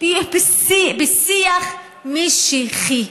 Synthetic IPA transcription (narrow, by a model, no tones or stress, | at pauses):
ibsibisiaχ | miʃiχi